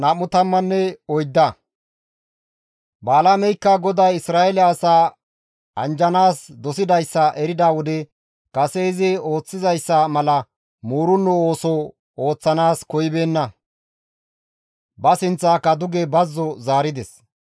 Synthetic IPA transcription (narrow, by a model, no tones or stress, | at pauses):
nɐmʊt̪ɐmːɐnːɛɔjd̪ːɐ | baːlaːmɛjkːɐɡɔd̪ɐjɪsɾaːɛlɪːsaː | ɐnd͡ʒɐnaːsd̪ɔsɪd̪ɐjsːɐʔɛɾɪd̪aːwɔd̪ɛ | kɐseɪzɪo̞ːt͡sːɪzɐjsːɐmɐlɐ | muːɾʊnːɔoːsɔ | o̞ːt͡sːɐnaːskɔjɪbe̞ːnːɐ | bɐsɪnt͡sːaːkɐd̪ʊɡɛbɐzːɔzaːɾɪd̪ɛs